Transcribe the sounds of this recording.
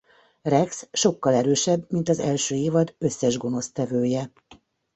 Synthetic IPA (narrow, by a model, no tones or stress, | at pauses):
rɛksʃo̞kːɒlɛɾøːʃɛbːmint̪ɒzɛ̰lʃøːeːvɒd̪ø̞sːɛʒɡo̞no̞st̪ɛvøːjɛ